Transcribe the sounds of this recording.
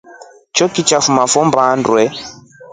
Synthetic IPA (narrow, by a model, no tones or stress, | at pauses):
t͡ʃɔkit͡ʃafumafɔmbaːndwɛ